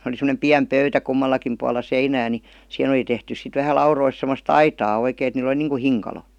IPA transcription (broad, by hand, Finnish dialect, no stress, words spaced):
oli semə̆nem piæm pøytæ kumːɑlːɑkim puɑlːɑ seinæː ni sĭhen oli tehtys sit ʋæhæ lɑurois semːost ɑitɑː oikeˑin et niːl ə̆li niːŋku hiŋkɑlo